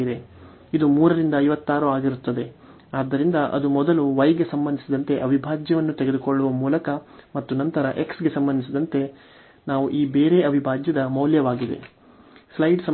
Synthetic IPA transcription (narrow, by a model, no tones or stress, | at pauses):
id̪e̞ | id̪umuːɾɐɾind̪ɐɐjʋɐt̪ːaːɾuaːɡiɾut̪ːɐd̪e̞ | aːd̪ːɐɾind̪ɐʔɐ̰d̪umɔd̪ɐluʋɐjɡe̞sɐmbɐnd̪isid̪ɐnt̪e̞ʔɐbʱibʱaːd͡ʒjɐʋɐnːut̪eɡe̞d̪ukoɭːuʋɐmuːlɐkɐmɐt̪ːunɐnt̪ɐɾɐʔe̞ksɡe̞sɐmbɐnd̪isid̪ɐnt̪e̞ | naːʋuʔiːbeːɾe̞ɐbʱibʱaːd͡ʒjɐd̪ɐmɐwljɐʋaːɡid̪e̞̰ | slɐjɖsɐ